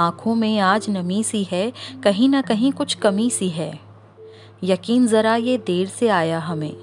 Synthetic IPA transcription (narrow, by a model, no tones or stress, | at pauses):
ãːkʰõmẽaːd͡ʒnɐmĩsiɦɛkɐɦĩnɐkɐɦĩkʊt͡ʃʰkɐmĩsiɦɛː | jɐkiːnzɐɾajed̪eːɾseaːjaɦɐmḛ̃ː